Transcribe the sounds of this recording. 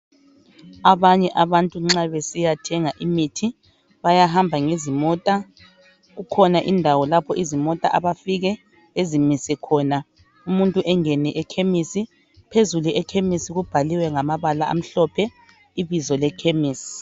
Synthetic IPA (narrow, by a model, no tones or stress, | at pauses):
aβaɲɛʔaβantʼuŋ͡ǁaβesijatʰɛŋaʔimitʰi | βajaɦambʱaŋezimɔːtʼa | ɣukʰɔnaʔindʱawɔlapʰɔʔizimɔtʼa̰ʔaβafiɣɛ | ezimisɛkʰɔːna | umuntʼuʔɛŋɛnɛʔɛkʰemisi | pʰezuluɛkʰemisiɣub̥ʱaliwɛŋamaβalaa̰m̩ɬɔpʰɛ | iβizɔlɛkʰemiːs